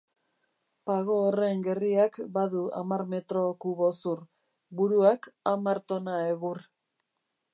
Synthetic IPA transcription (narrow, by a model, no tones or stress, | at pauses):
paɣo̞ːre̞ŋɡe̞riakbaðua̰maɾme̞t̪ɾo̞kuβo̞sur | buɾuakamaɾt̪o̞naeɣur